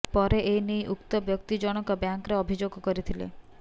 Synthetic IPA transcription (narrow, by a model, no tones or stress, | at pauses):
pɔɾeʔejnijʔukt̪ɔbjɔkt̪id͡ʒɔɽ̃ɔkɔbjaŋkɾeɔbʱid͡ʒoɡkɔɾit̪ʰilḛ